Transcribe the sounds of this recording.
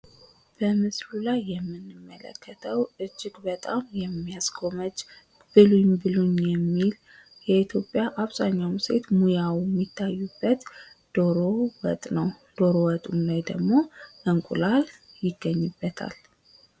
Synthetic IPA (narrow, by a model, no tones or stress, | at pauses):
b̥əmɨslulajːɛmːɨnːɨmːələ̰kːət̪ʰəwʔɨd͡ʒːɪɡbət̪ʼamjɛmːijaskʰo̞mət͡ʃː | b̥ɨlumbɨlunjɛmːil | jɛit̪ʰjo̞pʼjaʔaβz̥aɲːawmse̞̰t̪mujawjɛmːit̪ʰːajːubːət̪ | d̪̥oɾowə̰t̪ʼnəw | d̪̥o̞ɾowət̪ʼumlajd̪əɡmo̞ʔəŋkʷʼṵlal | jɪɡːəɲːɨbːət̪ʰa̰l